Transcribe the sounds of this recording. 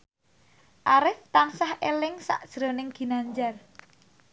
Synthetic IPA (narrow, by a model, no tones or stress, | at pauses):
ʔaɾɪft̪ansahelɪŋsa̰ʔd̥ʒ̥ɾo̤nɪŋɡ̥i̤naɲd͡ʒar